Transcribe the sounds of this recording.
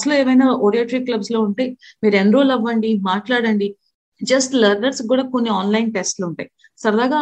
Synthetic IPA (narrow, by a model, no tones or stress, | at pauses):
ɐsɐluːeːʋɐjnaːʔoːɽijaːʈɾiːklɐbslo̞ːuɳʈeː | miːɾenɾoːlɐʋːɐɳɖimaːʈlaːɽɐɳɖi | d͡ʒɐsʈlɐɾnɐɾskuːɽaːkonːiaːnlɐjnʈesʈluɳʈaːj | sɐɾɐd̪aːɡaː